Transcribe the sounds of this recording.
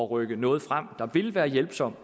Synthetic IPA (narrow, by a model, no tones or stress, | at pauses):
ɒʁœɡ̥ənɔ̽ːð̞̩ˠfʁam̰d̥ɑ̈ʋe̝lʋæːɐjelb̥sɒ̽m̰